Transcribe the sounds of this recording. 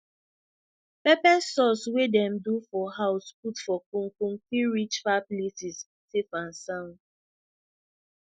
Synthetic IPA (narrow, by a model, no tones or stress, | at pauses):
pɛpɛsːɔswedɛ̃mdufɔhaʊsputfɔkũŋkũŋkiɹit͡ʃfaplesis | tefãnsãn